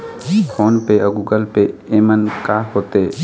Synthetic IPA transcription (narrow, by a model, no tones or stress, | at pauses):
fʰoːnpeəɡuːɡəlpeeːmənkaɦoːt̪eː